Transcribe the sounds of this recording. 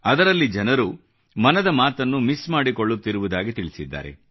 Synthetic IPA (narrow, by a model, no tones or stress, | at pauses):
ɐd̪ɐɾɐlːid͡ʒɐnɐɾu | mɐnɐd̪ɐmaːt̪ɐnːumismaːɽiko̞ɭːut̪ːiɾuʋud̪aːɡit̪iɭisid̪ːa̰ːɾḛ